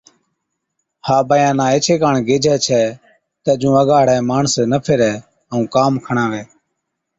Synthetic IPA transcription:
haːbəjãːnãːeːt͡ʃʰeːkaːɳɡeːd͡ʒʱɛːt͡ʃʰɛː | t̪ɛːd͡ʒũːəɡaːɽɛːmaːɳsnəpʰɪɾɛː | əũːkaːmkʰəɳãːʋɛː

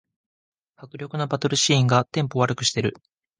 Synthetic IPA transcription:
hakɯ̟ɾʲo̞kɯ̟no̞bat̪o̞ɾɯ̟ɕĩːŋɡat̪ẽ̞mpo̞βaɾɯ̟kɯ̟ɕi̥t̪e̞ɾɯ̟

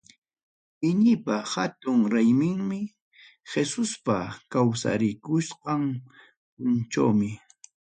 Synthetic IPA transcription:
ɪɲɪpahat̪ʊŋɾajmɪŋmɪ | xesʊspakawsa̰ɾɪkʊsqɑŋ | pʊnt͡ʃa̰wmɪ

